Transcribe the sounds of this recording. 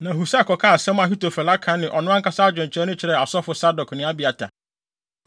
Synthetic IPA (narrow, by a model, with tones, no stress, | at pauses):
nã˨ɦu˨sa˦˨kʰɔ˨kʰa˦˨sɛ̃˦m˦a˨ɦi˦to˨fɛ˨la˦kʰã˨˦nɪ̃˨ʔɔ˨nʊ̃˦ã˦ŋ˦kʰa˦sa˦a˦d͡ʑᶣɪ̃˨ɲ˨t͡ɕʰɪ˨ɾɛ˦nʊ̃˦t͡ɕʰɪ˨ɾɛ˨a˨sɔ˦fʊ˨sa˦dɔ˨kʰnɪ̃˦a˦bi˨a˨tʰã̰˨